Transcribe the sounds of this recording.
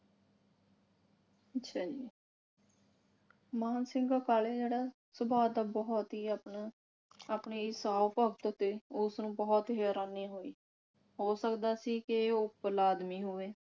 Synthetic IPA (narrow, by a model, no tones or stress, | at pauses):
ətʃʰaːd͡ʒiː | maːnsɪŋɡaːkaːleːd͡ʒeːɽaː | səbaːd̪aːbɔːt̪ɦiː | aːpɳeːɪsaːpəkt̪ʊt̪eːʊsnũːbɔːt̪ɦeːɾaːniːɦoːḭː | ɦoːsəkd̪aːsiːkɪoːpəlaːd̪miːɦoːʋeː